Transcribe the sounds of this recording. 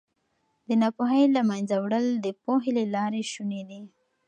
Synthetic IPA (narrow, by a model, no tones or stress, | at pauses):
d̪ənɑpoɦəjlamajnzawɽəld̪əpoɦelelɑɾeʃuned̪i